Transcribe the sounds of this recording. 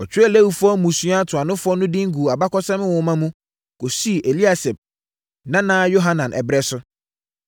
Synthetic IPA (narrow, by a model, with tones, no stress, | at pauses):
ɔ˨t͡ɕʰᶣɛ˦˨le˦wu˨fʊ˦ɔ˦mũ˨sũ˦a˦tʰʊ˨a˨nʊ̃˦fʊ˦ɔ˦nʊ̃˦di˦ŋ̩˦ɡu˨a˨ba˦kɔ˦sɛ̃˦mɪ̃˦wɔ̃˨˦mã˦mũ˦ | ko˨si˦˨ʔe˨li˦a˨sɛ˨b̚ | nã˦nã˦jo˦ɦa˦nã˨nʔɛ̰˨bɾɛ˦sʊ˦